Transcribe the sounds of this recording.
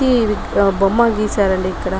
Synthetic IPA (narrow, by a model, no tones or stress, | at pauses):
i | bɐmːaːɡiːsaːɾɐlekːɐɽa